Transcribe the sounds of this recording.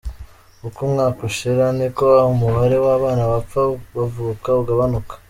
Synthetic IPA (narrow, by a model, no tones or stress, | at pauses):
ukumŋaːkuʃiɾanekoahumuβaɾe̞waːβaːnaβap͡faβavuːkauɡaβanukḁ